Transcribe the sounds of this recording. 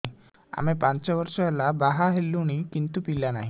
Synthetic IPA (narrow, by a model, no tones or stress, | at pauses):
a̰mepant͡ɕɔbɔɾsɔelabaɦaɦelːuɽ̃ikint̪upilana̰ɦĩ